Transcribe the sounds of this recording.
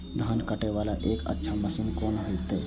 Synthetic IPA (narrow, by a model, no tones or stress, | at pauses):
d̪ʱaːnkəʈeʋaːlaʔeːkə̰tːʃʰaməsinkoːnɦoit̪e